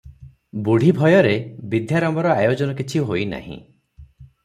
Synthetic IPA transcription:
buɽ̤ʱibʱɔjɔɾebid̪ʱjaɾɔmbɔɾɔajod͡ʒɔnɔkit͡ʃʰiɦojna̰hḭ̃

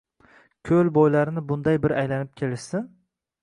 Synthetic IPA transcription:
kʲʰɵlˠbojlaɾɪnɪbʊnd̪ajbɪɾajlanɪp̚kʲʰelɪʃsɪn

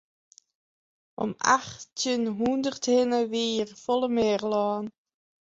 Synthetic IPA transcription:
ʔɔ̰ma̰χtənɦundərthɪnəʋiːrfɔlˠəmeːrlɑːn

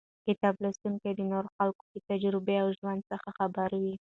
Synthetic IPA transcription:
kɪt̪ɑblast̪uŋkad̪ənoɾoxalkod̪ət̪ad͡ʒɾɪbeawʒwand̪̚səxaxabaɾawi

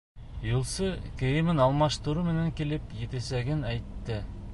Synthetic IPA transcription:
julˠsɤkĕjɘ̆mɘnɑlˠmɑʃt̪uɾumɘ̆næŋkilɘpjet̪esæɡɘnæjt̪ːɘ

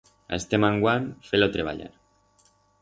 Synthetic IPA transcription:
a̰est̪emaŋɡwanfelot̪ɾeβ̞a̰ʎa̰ɾ

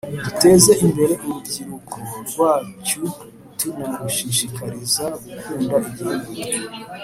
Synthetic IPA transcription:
dute̞ːze̞imbe̞ɾe̞ʔuɾubɟiɾukʰoɾɡwaːt͡ʃu | tumomɡuʃiʃikaɾizaɡukuːndaiɡiuɡuo

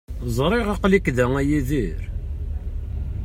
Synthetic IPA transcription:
zˤɾˤeʁɑqlikːðæŋæjiðiɾ

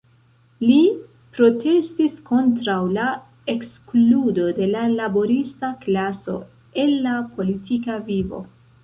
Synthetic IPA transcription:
li | pɾo̞tʰe̞stisko̞ntɾawla | e̞kskludo̞de̞lalabo̞ɾistaklaso̞̰ | e̞nːapʰo̞litikavivo̞̰

